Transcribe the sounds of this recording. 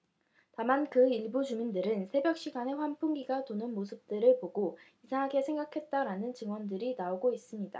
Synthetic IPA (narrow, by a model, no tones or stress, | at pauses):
tamankɯiɭbud͡ʑumindɯɾɯnsʰe̞bjʌk̚ɕ͈iɡane̞ɸwanpʰuŋɡiɡatonɯnmosʰɯp̚t͈ɯɾɯɭpoɡoisʰaŋɦaɡe̞sʰe̞ŋɡakʰe̞t̚t͈aɾanɯnt͡ɕɯŋwʌndɯɾinaoɡois͈ɯmɲida̰